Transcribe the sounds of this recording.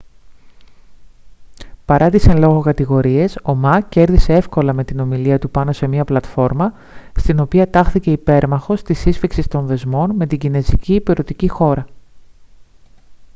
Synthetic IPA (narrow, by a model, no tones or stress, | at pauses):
pɐɾɐt̪isenlo̞ɣo̞kɐt̪iɣo̞ɾie̞so̞mɐce̞ɾðise̞e̞fko̞lɐme̞t̪ino̞miliɐt̪upɐno̞se̞miɐplɐt̪fo̞ɾmɐ | st̪ino̞piɐt̪ɐxθice̞ipe̞ɾmɐxo̞st̪isisfiksist̪o̞nðe̞zmo̞nme̞t̪iɟine̞ziciːpiɾo̞t̪icixo̞ɾɐ